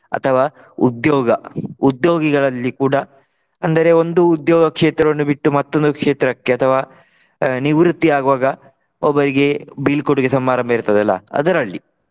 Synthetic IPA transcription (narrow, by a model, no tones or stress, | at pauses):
ɐ̰t̪ʰɐʋaː | ṵd̪joːɡɐud̪joːɡiɡɐɭɐlːikuːɽɐ | ɐnd̪ɐɾe̞ond̪uːd̪jɔːɡɐkʂeːt̪ɾɐʋɐnːubiʈːumɐt̪ːo̞nd̪ukʂe̞ːt̪ɾɐkːe̞ɐt̪ʰɐʋaː | niʋɾut̪ːiaːɡuʋaːɡɐ | ɔbːɐɾiɡe̞biːlkoɽuɡesɐmːaːɾɐmbɐiɾt̪ɐd̪ɛlːɐ̰ɐ̰d̪ɐɾɐɭːi